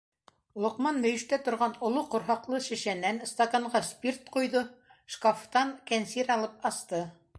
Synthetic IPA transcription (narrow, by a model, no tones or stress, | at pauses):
lˠŏqmɑnmɵ̆jɘ̆ʃt̪æt̪ŏɾʁɑnŏlˠoqŏɾɦɑqlˠɤʃɘ̆ʃænːænst̪ɐkɑɴʁɑspʲirt̪qujðɤʃkoft̪ɑŋkænsiɾɑlˠɤp̚ɑst̪ɤ